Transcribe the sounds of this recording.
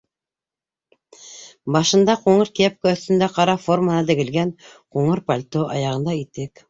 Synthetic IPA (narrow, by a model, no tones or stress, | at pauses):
bɑʃɤ̆nd̪ɑquɴɤɾkiæp̚koɵ̆θt̪ɵ̆nd̪æqɑɾɑformənɑt̪ɘ̆ɡɘ̆lɡænquɴɤɾpalʲt̪oɑ̰jɑʁɤ̆nd̪ɑit̪ːɘk